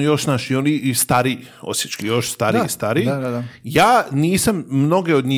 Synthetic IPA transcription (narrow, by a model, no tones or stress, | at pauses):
jo̞ʃnaʃionist̪aɾi | o̰sjet͡ʃkijo̞ʃst̪aːɾiist̪aːɾijaːniːsammno̞ɡe̞od̪ɲi